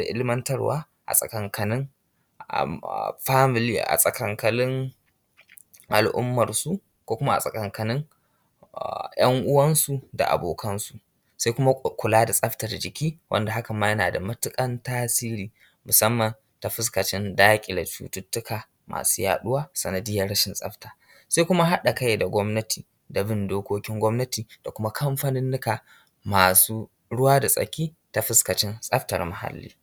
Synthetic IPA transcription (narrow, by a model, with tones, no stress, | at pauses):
a̰˨ʔɪ˦lɪ˦mɐ˦ntɐ˦rwa̰ː˦ | ʔa̰˨sʼɐ̰˨kɐ˨ŋkɐ˨nɪ˦ŋ | a̰˨ɸaː˦mɪ˨liː˦ʔa̰˨sʼɐ˨kɐ˨ŋkɐ˨lɪ˦ŋ | ʔa˨lʔʊ̰˦mːɐ˨rsu˦ | kʷoː˦kʷʊ˦ma˦a̰˨sʼɐ˨kɐ˨ŋkɐ˨nɪ˦ŋ | jɐ˦ŋʔʊ˦wɐ˦nsu˨da̰˨ʔa̰˨boː˨kʰɐ˦nsu˨ | sa˦jkʷʊ˦ma˦kʷʊ˨laː˦da˨sʼɐ˦ɸtɐ˨rd͡ʒɪ˨kʲiː˦wʔɐ̰˦nda˨ɦa˦kɐ˨mːaː˦jɐ˦naː˨da˨mɐ˦tʊ˦kʼɐ˦ntaː˦siː˦ɾiː˨ | mʊ˨sɐ˦mːɐ˨n | ta˨ɸɪ˦skɐ˨t͡ʃɪ˦ndaː˦kʲʼɪ˨da˨t͡ʃṵː˦tʊ˦tːʊ˦kaː˨ | mʔa̰ː˨suː˦ja̰ː˨ɗʊ˦waː˦sɐ˨nɐ˨dɪ˦jɐ˦ɽɐ˦ʃɪ˨nsʼɐ̰˦ɸtaː˨ | sa˦jkʷʊ˦ma˦ɦa˦ɗa˨ka˦jda˨ɡʷɔ˦mnɐ˦tiː˨ | da˨bɪ˦ndoː˦kʷoː˦kʲɪ˦ŋɡʷɔ˦mnɐ˦tiː˨d̥a˨kʷʊ˦ma˦kʰɐ˦mɸɐ˦nɪ˦nːɪ˦kaː˨ | maː˨suː˦ | ɽʊ˦waː˦da˨sʼɐ̰˨kʲiː˦ | ta˨ɸɪ˦skɐ˨t͡ʃɪ˦nsʼɐ˦ɸtɐ˨rma˨ha̰˦˨lːḭː˦